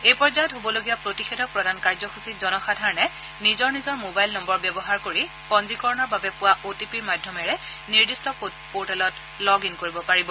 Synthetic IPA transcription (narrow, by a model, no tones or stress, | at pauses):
ejpɹɔɹzaɔtɦobɔloɡijapɹotixedʱɔk̚pɹɔdankaɹzɔxusitzɔnɔxadʱaɹɔnɛ | nizɔɹnizɔɹmobajlnɔmbɔɹbjɛbɔɦaɹkoɹi | kɔnzikɔɹɔnɔɹbabɛpʊwaʔotipiɹmadʱjɔmɛɹɛ | niɹdistɔ | poɹtalɔt | lɔɡinkoɹibɔpaɹibɔ